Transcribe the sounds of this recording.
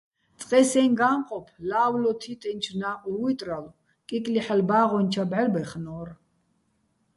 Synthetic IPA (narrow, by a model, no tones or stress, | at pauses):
t͡sʼqʼɛsɛnɡaːmqʼɔpʰlaːwlɔt̪ʰit̪ʼɛnt͡ʃʰnaːʔuɾwit̪ʼralɔ | kʼikʼliħɛlbaːʁɔnt͡ʃʰabʕɛlbɛχnɔːr